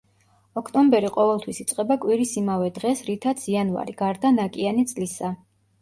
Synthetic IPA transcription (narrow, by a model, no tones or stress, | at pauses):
ɔkʰt̪ʼɔmbɛɾiqʼɔvɛlˠt̪ʰwisit̪sʼqʼɛbakʼwiɾisimavɛd̪ʁɛsɾit̪ʰat̪sʰianva̰ɾiɡ̥aɾd̪anakʼianit̪sʼlisa